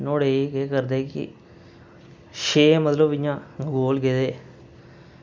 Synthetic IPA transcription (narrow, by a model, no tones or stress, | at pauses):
noːɽeːiːkeːkəɾd̪eːkɪ̰ | ʃeːmət̪ləbɪjãːɡoːlɡeːd̪eː